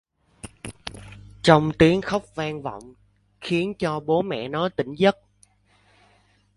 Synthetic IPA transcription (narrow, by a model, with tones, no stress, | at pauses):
t͡ɕɔ˧wŋ͡mt̪i˨˦əŋxə˦˥wk͡p̚vaː˧ŋva̰˧˨wŋ͡m | xi˨˦ənt͡ɕɔ˧ɓo˨˦mɛ̰˧˨nɔ˨˦t̪ï˧˩ŋ̟zə˦˥t̚